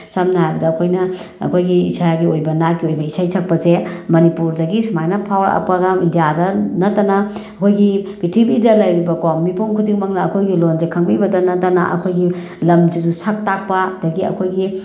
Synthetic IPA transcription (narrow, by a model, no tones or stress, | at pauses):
samnɐɦajbɐdɐːkʰojnɐɐ̰kʰojɡiḭsaɡiojbɐnat̚kiojbɐisajsʰak̚pɐzemɐnipuɾdɐɡismajnɐpʰawɐɾɐ̰p̚kɐɡamindijadɐnɐtːɐnɐ | ɐkʰojɡib̥itibidɐlɐjɾibɐkomːipunkʰudiŋmɐŋnɐːkʰojɡilonzekʰɐŋbibɐdɐnɐtːɐnɐ̰ʔɐ̰kʰojɡi | lɐmd͡ʒizusʰak̚tak̚pɐdɐɡiɐ̰kʰojɡi